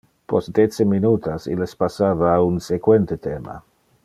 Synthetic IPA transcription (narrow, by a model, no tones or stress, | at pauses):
pɔsd̪et͡seminuːt̪ʰasḭlespasaːvaːunsekwent̪et̪eːma̰